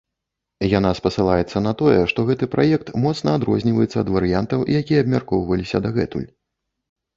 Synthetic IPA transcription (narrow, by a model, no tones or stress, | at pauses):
jan̪aspɐsɨlˠajɛt̪sːɐnɐt̪ɔjɛʂt̪ɔɣɛt̪ɨpɾʔajɛkt̪mɔt̪snɐːd̪ɾɔzʲnʲivɐjɛt̪sːɐːd̪vɐɾɨjant̪ɐwʔḭjakʲijɛːbmʲarkɔwvɐlʲisʲɐd̪aɣɛt̪ṵlʲ